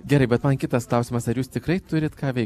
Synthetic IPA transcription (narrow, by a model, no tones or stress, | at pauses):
ɡʲɛɾɐɪbʲɛt̪mɐnkʲɪt̪ɐsklˠɐʊsʲimɐsɐɾjuːst̪ʲɪkɾɐɪt̪ʊɾʲɪt̪kɑːʋʲɛɪ